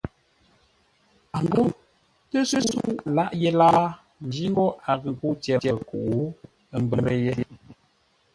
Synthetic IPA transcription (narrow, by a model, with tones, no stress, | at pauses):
a˨ŋ˨ɡo˦ | tə˦sə˦su˦˨la˦ʔjɛ˦la˦ | n̩˨d͡ʒi˦ŋ˦ɡɔ˦ʔa˨ɣə˨ŋ˨ku˦tjɛ˨tɛ˨ku˨ʔu˨˦ | ə˦m˦bə˨mɾə˦jɛ˦